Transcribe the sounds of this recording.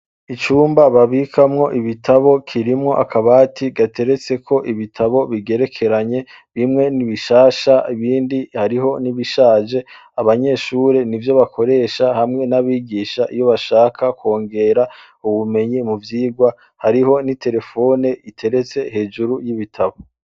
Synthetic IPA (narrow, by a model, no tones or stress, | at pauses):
it͡ʃuːmbaβaβikʰamŋo̞ʔiβitʰaβo̞kʰiɾimŋo̞ʔa̰kaβatʰiɡate̞ɾe̞t͡se̞kʰo̞ʔiβitʰaβo̞βiɡe̞ɾe̞kʰe̞ɾaɲe̞ | βimŋe̞niβiʃaːʃaiβiːndihaɾiɦo̞niβiʃaːd͡ʒe̞ | aβaɲe̞ːʃuːɾe̞nivjo̞βakʰo̞ɾe̞ːʃahamŋe̞naβiːɡiːʃaʔijo̞βaʃaːkʰakwo̞ːŋɡe̞ɾa | uβume̞ɲimuvjiːɡwa | haɾiɦo̞nitʰe̞ɾe̞fo̞ːne̞itʰe̞ɾe̞t͡se̞he̞ːd͡ʒuɾujiβitʰaβo